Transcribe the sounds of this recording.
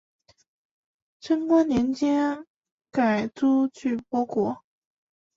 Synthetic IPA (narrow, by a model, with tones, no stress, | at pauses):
ʈ͡ʂʰə˥nkwa˥nnjɛ˧˥nt͡ɕjɛ˥ | ka˨˩ɪt͡su˥t͡ɕʰy˥˩pwɔ˥kwɔ˧˥